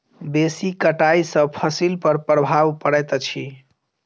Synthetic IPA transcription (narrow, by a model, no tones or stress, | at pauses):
besikəʈaisəpʰəsilpəɾpɾəbʱaʋpəɽɛt̪t͡ʃʰi